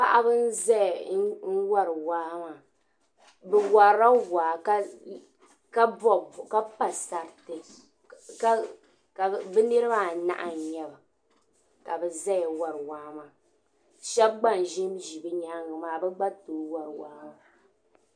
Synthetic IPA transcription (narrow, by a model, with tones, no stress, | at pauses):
pa˨ʔa˦bɨ˦n̩˦za˦˨n̩˦wa˦ɾɨ˨waː˦ma˨ | bɛ˨wa˨ɾa˦waː˨ka˦ | ka˦bɔ˦˨ka˦pa˨sa˨ɾtɨ˨ | ka˦ | ka˨bɛ˦nɨ˦ɾɨ˦ba˦˨na̰˦ʔa˨n˨ɲɛ˦ba˨ | ka˨bɛ˨za˦jwa˨ɾɨ˨waː˦ma˨ | ʃɛ˦bɡ͡ba˦˨n˨ʒi˦mʒi˨bɨ˦ɲa˦ŋɨ˨maː˨bɛ˦ɡ͡ba˦toː˨˦wa˨ɾwa̰ː˨˦ma˨